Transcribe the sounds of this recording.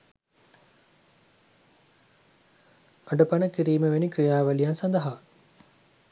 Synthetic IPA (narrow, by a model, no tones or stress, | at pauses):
aɖəpɐnəkiɾiːməʋenikɾijaːʋəlijansɐnd̪ɐɦa